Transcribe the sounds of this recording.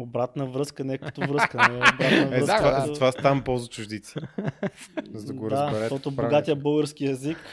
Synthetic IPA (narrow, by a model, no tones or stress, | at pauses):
obɾat̪nəvɾɤskənɛkət̪ʊvɾɤskənɛobɾat̪nəvɛzk̪kvazɐt̪ovast̪ampɔlˠzʊt͡ʃuʒd̪it̪si | zɐd̪ɐɡod̪aɛɾɛtɔt̪ʊboɡat̪ijəbɤlˠɡəɾskiɛzik